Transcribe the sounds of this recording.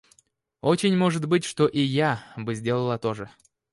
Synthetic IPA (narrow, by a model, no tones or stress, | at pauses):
ot͡ɕɪnʲmoʐɨt̪bɨtʲʂt̪oʔijabɨzʲdʲe̞lˠəlˠət̪o̞ʐɨ